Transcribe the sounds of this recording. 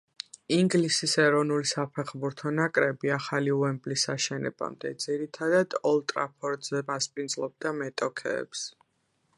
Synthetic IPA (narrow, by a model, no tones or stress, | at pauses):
iŋɡlisisɛɾɔnulisapʰɛχbuɾt̪ʰɔnakʼɾɛbiaχaliuɛmblisaʃɛnɛ̰ba̰md̪ɛd̪z̥iɾit̪ʰad̪ad̪̥ɔlˠt̪ʼɾa̰pʰɔɾd̪zɛmaspʼind̪zlˠɔb̚d̪amɛt̪ʼɔkʰɛ̰ːps